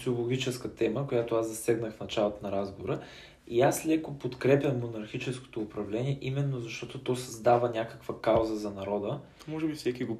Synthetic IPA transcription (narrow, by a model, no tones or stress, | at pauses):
t̪siolˠoɡʲit͡ʃɛskət̪ɛməkojat̪oazzɐsɛɡnəxfnɐt͡ʃalˠot̪onɐɾazɡovoɾə | iaslʲɛkopot̪kɾɛpʲəmːonɐɾxit͡ʃɛsko̥t̪oːpɾɐvlɛniɛʔimɛnːozɐʃt̪ɔt̪ot̪ɔsɐzd̪avənʲakəkvəkawzəzɐnɐɾɔd̪ə | mɔʒɛbifsɛkʲiɡo